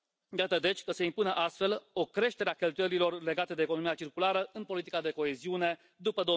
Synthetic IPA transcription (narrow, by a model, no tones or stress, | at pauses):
jat̪əd̪e̞t͡ʃʲkəse̞impunəʔast̪fe̞lo̞kɾe̞ʃt̪e̞ɾeakʲe̞lt̪ujeɾilo̞rle̞ɡat̪e̞d̪eːko̞no̞mijat͡ʃirkulaɾəɨnpo̞lit̪ikad̪e̞ko̞e̞ziune̞ | d̪upəd̪o